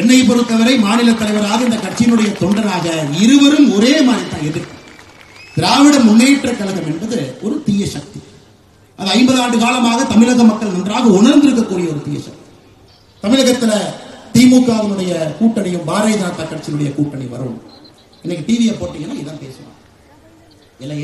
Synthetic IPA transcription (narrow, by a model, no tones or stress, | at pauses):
ɛɳːɐɪpɔɾɯt̪ːɐʋɐɾɐɪmaːnɪlɐt̪ːɐlɐɪʋɐɾaːɣɐɪnd̪ɐkːɐʈt͡ʃːɪjɪnɯɽɐjɐt̪ɔɳɖɐnaːɣɐɪɾɯʋɐɾɯmɔɾeːmaːnɐt̪ãːɛnːɯkːɯ | t̪ɪɾaːʋɪɽɐmʊnːeːʈːrɐkːɐlɐɣɐmɛnbɐðɯɔɾɯt̪iːjɐʂɐk̚t̪i̥ | ʔɐðɐɐɪmbɐðaːɳɖɯkaːlɐmaːɣɐt̪ɐmɪlɐɣɐmɐkːɐɭnɐndraːɣɐʊɳɐɾnd̪ɪɾɯk̬ːɐkːuːɾɪjɐɔɾɯt̪iːjɐ̰ʂɐ̰k̚t̪i̥ | t̪ɐmɪɻɐɣɐt̪ːɪlɐt̪iːmuːkːaːðɐnɯɽɐjɐkuːʈːɐnɪjɯmbaːɾɐɪðɐnɐt̪ːakːɐʈt͡ʃːɪɪnɯɽɐjɐkuːʈːɐnɪʋɐ̰ɾɯ̰m | ɛnːɐkːiʈiːʋɪjɐpoːʈːiːŋɡɐnaːɪðɐmpḛːsɐlã̰ː | ɪlːɐj